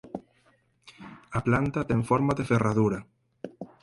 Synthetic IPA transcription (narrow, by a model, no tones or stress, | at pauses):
aplant̪at̪ɛŋfɔɾmaðeferaðuɾɐ